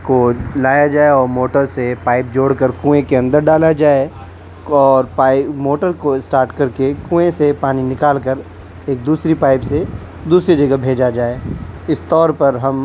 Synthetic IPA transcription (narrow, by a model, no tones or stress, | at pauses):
kolaːjad͡ʒaːeɔːɾmoːʈəɾsepaːɪp̚d͡ʒoːɽkəɾkũːẽkeɐ̃nd̪əɾɖaːlad͡ʒaːe | ɔːɾpaɪmoːʈəɾkoɪsʈaːɾʈkɐɾkekũːẽsepaːninɪkaːlkəɾ | eːk̚d̪uːsɾipaːɪpse | d̪uːsɾid͡ʒɐɡəbʱeːd͡ʒad͡ʒaːeːɪst̪ɔːɾpɐɾɦɐm